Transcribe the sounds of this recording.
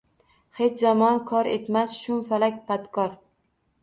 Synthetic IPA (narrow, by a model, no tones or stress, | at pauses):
he̞t͡ʃʰzamɒnkʰɒɾe̞t̪masʃʊmfalakʲpat̪kʰɒɾ